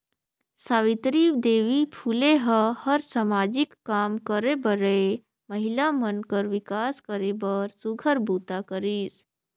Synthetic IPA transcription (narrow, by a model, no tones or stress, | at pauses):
saːʋit̪ɾiːwd̪eːʋipʰuːleɦəhəɾsamaːd͡ʒikːaːmkəɾebəɾə | məɦilamənkəɾʋɪkaːskəɾebəɾsuɡʱəɾbuːt̪akəɾiːs